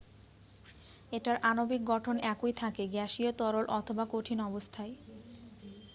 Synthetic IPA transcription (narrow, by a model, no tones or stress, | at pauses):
eʈaɾʔanobik̚ɡɔʈʰonɛkojt̪ʰakeɡɛʃiot̪ɔɾolʔɔt̪ʰobakoʈʰinɔbost̪ʰae